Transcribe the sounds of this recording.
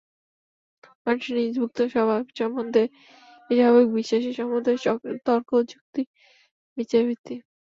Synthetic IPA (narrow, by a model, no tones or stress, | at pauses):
manʃnid͡ʑbʱuk̚t̪oʃɔbʱaʃɔmːond̪ʱe | iʃaβekbiʃaʃeʃɔmod̪ʱet̪ɔɾkod͡ʑuk̚t̪i | bit͡ɕabit̪i